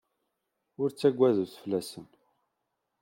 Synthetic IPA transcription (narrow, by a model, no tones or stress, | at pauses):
ʊɾt͡sːæɡʷːæðuθflːæsən